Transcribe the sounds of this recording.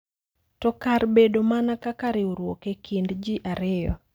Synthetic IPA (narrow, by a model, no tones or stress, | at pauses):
tɔkarbedomanakakaɾɪoɾwokekʰindd͡ʒiʔaɾɪjɔ̰